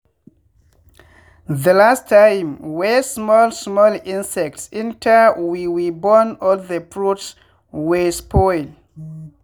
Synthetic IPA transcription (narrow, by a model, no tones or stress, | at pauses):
ðəlastʰːãjmwesmɔlsmɔlĩnsɛk̚tsĩntʰawiwibɔnɔlðəpɹuts | wespʰɔjl